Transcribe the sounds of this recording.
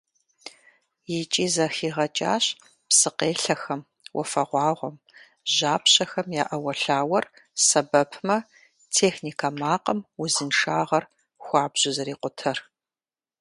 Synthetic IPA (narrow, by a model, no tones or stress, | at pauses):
jɪt͡ʃʼiːzɐxiːʁɐt͡ʃʼa̰ːɕ | psɨqeːɬɐxɐm | wʔɔ̰fɐʁʷɑːʁʷɔm | ʒaːpɕɐxɐmjaːʔɐwɐɬaːwɐr | sɐbɐpʰmɐ | tʰeːxniːkʰamaːqɐmwʊzɨnʂaːʁɐr | xʷɑːbʑ̥ʊzɐɾiːqʷʊtʰɐr